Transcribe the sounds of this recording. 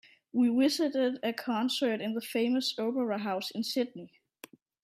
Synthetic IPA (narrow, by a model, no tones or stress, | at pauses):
wiwɪzɪɾɪdɨkʰɑ̃nsə˞ɾɪ̃nðəfeɪməsoʊpə˞əɦaʊsɪ̃nsɪd̚ni